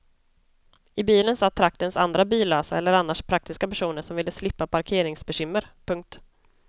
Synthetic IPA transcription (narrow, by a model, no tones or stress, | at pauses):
ɪbiːlənsat̪ʰːɾak̚t̪ənsa̰nd̪ɾabiːlːøːsaɛlːəɾanːaʂpʰɾak̚t̪ɪskapæʂuːnəʂɔmvɪlːəslɪpːapʰaɾkʰeːɾɪŋsbɛɕʏmːəɾpʰɵŋk̚t̪